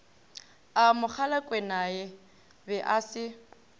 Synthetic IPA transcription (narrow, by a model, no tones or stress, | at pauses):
amʊk͡xʰalakʼwɛnajɛ | bɛʔasɪ